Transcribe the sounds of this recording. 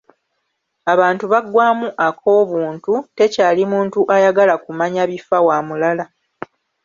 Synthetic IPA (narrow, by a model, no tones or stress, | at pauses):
aβaːntuβaɡwaːmuʔakʰo̞ːβuːntute̞caːlimuːntuʔajaɡalakumaɲaβifawaːmulala